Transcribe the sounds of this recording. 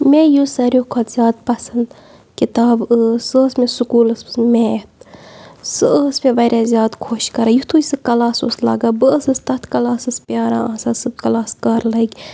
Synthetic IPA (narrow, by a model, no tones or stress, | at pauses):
mejusɐɾʲjoːkʰot̪z̥ʲaːd̪pɐsɐnd̪ | kit̪aːbəːsəːsmesukuːləsɨsmet̪ | sɨəːsmeʋɐɾʲaːzʲjaːd̪kʰoːʃkɐɾaːjut̪ʰujsɨkɐlaːsṵslɐ̰ɡaːbɨəsɨst̪ɐt̪ʰkɐlaːsɨspʲjaːɾa̰ːaːsasɨbkɐlaːskɐɾlɐɡʲ